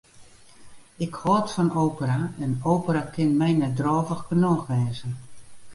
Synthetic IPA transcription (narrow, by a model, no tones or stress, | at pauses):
ɪkhɔtfɔnoːpəɾaɛnowpəɾakʰɪnmɛjnɛdrɔːvəxkənɔxʋɛːzən